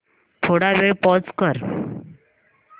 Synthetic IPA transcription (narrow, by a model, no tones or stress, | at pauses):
t̪ʰoɽaʋepɔt͡skəɾ